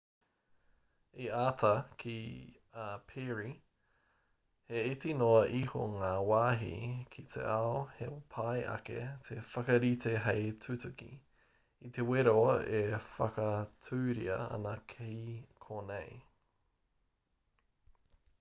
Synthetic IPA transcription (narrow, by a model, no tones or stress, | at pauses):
iaːtʰɐkʰi | apʰeɹi | heitinoɐʔiho̰ŋaːwaːɦḭkʰit̪ʰḛʔaohepʰajʔɐ̰kḛt̪ʰefɐkɐɾit̪ʰeɦejtʰutʉkḭ | it̪eweɾoefɐkɐtʰʉːɾiɐ̰ɐ̰nɐkʰekʰonej